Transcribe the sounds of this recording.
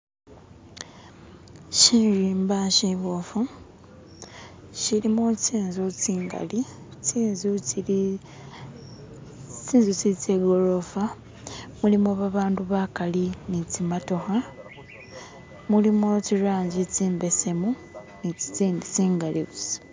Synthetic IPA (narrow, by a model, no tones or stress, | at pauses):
ʃiːnriːmbaʃiβofu | ʃilimociːnzociːŋɡa̰li | t͡siːnzu | t͡siːnzot͡sit͡seɡo̞lo̞fa | mulimoβaβaːnduβakalinit͡simato̞xa | mulimociɾaːɲɟit͡siːmbe̞se̞mu | nii̥t͡siːndit͡siːŋɡaliβusi̥